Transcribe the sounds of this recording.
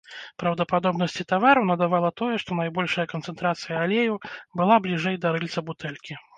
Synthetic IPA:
pɾɐwd̪ɐpad̪ɔbnɐsʲt͡sʲit̪avaɾɐwnɐd̪avalˠɐt̪ɔjɛʂt̪ɔnajbɔlʲʂɐjɐkɐnt̪sɛnt̪ɾat̪sɨjɐalʲejubɨlˠablʲiʐɛjd̪ɐɾɨlʲt̪sɐbut̪ɛlʲkʲi

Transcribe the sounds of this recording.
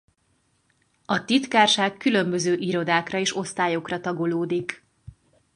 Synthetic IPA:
ɒt̪it̪kaːrʃaːkːylø̞mbø̞zøːʔiɾo̞d̪aːkrɒeːʃo̞st̪aːjo̞krɒt̪ɒɡo̞loːd̪ik

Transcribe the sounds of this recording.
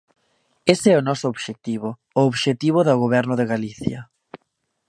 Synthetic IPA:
esɛʊnɔsʊoβʃek̚t̪iβʊː | oβʃet̪iβ̞ʊðaɣoβɛɾnʊðeɣaliθjɐ

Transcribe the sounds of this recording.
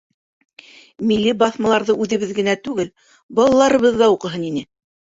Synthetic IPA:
milːibɑθmɑlˠɑɾðɤʔʉðɘ̆βɘðɡɘ̆næt̪ʉɡɘl | bɑlˠɑlˠɑɾɤ̆βɤðːɑuqɤ̆ɦɤninɘ

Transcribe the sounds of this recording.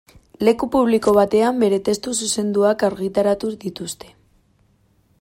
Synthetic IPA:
le̞kupuβliko̞β̞at̪e̞ambe̞ɾe̞t̪e̞st̪ususe̞nd̪uakaɾɣit̪aɾat̪uðit̪ust̪e̞̥

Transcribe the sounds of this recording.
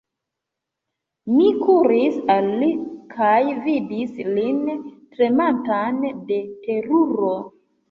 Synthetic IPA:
mikʰuɾisalːikʰajvidislintɾe̞mantande̞te̞ɾuɾo̞

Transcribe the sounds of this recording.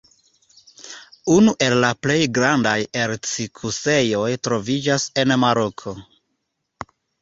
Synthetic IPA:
unuʔe̞lːaple̞jɡɾandajeɾt͡sikʰuse̞jo̞jtɾo̞vid͡ʒase̞nmaɾo̞kʰo̞

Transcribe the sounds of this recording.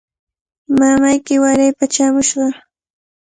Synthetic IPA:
mamajkɪwaɾajpat͡ʃamʊʃɢɑ

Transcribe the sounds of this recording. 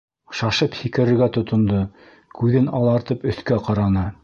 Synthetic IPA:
ʃɑʃɤphikɘ̆ɾɘ̆ɾɡæt̪ŏt̪ŏnd̪ɤ | kʉðɘnɑlˠɑɾt̪ɤpɵ̆θkæqɑɾɑnɤ

